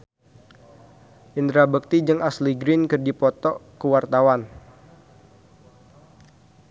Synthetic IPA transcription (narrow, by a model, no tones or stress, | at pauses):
ʔind̪ɾabək̚t̪id͡ʒəŋʔasliɡɾɪnkərdipɔt̪ɔkəwart̪awan